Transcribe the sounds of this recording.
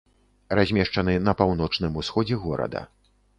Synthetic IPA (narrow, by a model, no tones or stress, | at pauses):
razʲmʲɛʂt͡ʂɐnɨnɐpawn̪ɔt͡ʂnɨmusxɔd͡zʲɛɣɔɾɐ̰d̪ɐ̰